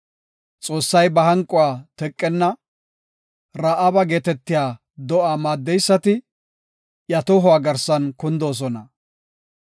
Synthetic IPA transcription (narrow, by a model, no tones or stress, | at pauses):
t͡sʼo̞ːsːɐjbɐhɐŋkʼʊwaːt̪ɛkʼːɛnːɐ | ɾɐʔɐbɐɡeːt̪ɛt̪ːɪjaː | d̪ɔʔaːmaːd̪ːɛjsːɐt̪ɪ | jɐt̪ɔɦɔwaːɡɐɾsɐnkʊnd̪oːs̬ɔnɐ